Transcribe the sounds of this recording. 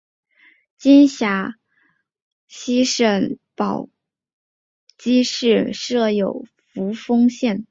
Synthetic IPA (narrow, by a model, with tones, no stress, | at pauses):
t͡ɕi˥nɕja˧˥ | ɕi˥ʂə˧˩npɑ˨˩ʊ | t͡ɕi˥ʂɻ̩˥˧ʂɤ˥˩jo˨˩ʊ | fu˧˥fɤ˥ŋɕjɛ˥˩n